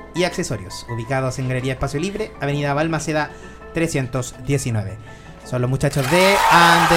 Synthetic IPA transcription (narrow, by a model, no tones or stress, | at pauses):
iaksesoɾjo̰suβikaðose̞ŋɡaleɾiaespasjoliβɾeaβeniðaβalmaseða | t̪ɾesje̞nt̪osðjesinwe̞βe | sonlozmut͡ʃat͡ʃozðeand̪